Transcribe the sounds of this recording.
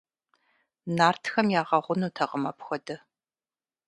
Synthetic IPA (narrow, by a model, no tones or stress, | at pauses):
naːrtʰxɐmjaːʁɐʁʷʊnuːtʰɐʁəmɐpxʷɐdɨ